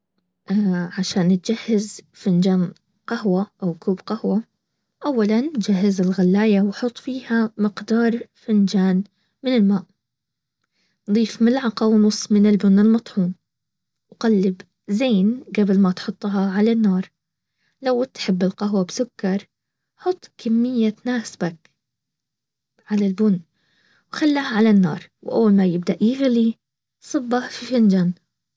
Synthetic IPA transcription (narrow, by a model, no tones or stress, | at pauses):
ʔaʕaʃaːnt̪̚d͡ʒahːɪz | fand͡ʒaːn | qahwaʔawkuːbqahwa | ʔawːaland͡ʒahːɪzɪlɣalːaːjawħʊt̪ˤːfiːhamɪqd̪ɑːɾˤfɪnd͡ʒaːn | mɪnɪlmaːʔ | nd̪ˤiːfmɪlʕɑqɑwnʊsˤmɪnɪlbʊnːɪlmɑt̪ˤħuːn | wqalːɪb | zeːnɡabɪlmat̪ħʊt̪ˤːɦɑʕalanːɑːɾˤ | lawt̪ħɪbːɪlqɑɦwabsʊkːɑɾˤ | ħʊt̪ˤːkʰamːɪjːanaːsbak | ʕalalbʊnː | wxalːaːhʕalanːɑ̰ːɾˤwʔa̰wːalmajɪb̚d̪aʔjɪɣli | sˤɨbːafifɪnd͡ʒaːn